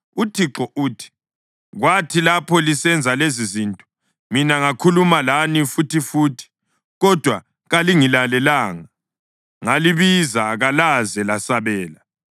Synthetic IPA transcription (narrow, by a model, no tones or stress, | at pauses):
utʰiǁɔʔuːtʰi̥ | ɣwatʰilapʰɔlisɛnd͡zʱalezizintʼɔ̥ | minaŋakʰulumalanifutifuːtʰi̥ | ɣɔd̥ʱwa | ɣaliŋilalɛlaːŋa | ŋaliβizaɣalazɛlasaβɛːla